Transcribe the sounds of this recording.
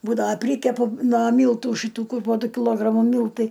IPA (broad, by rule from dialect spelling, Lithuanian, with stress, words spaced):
ˈbuːdɐʋɐ ˈpʲrʲiːkʲɛpʊ nuɔ ˈmʲiːlˠtuː ʃʲɪˈtuː ˈkʊr poː ˈdʊ kʲɪˈlˠoːɡrɐmʊ ˈmʲiːlˠtɐɪ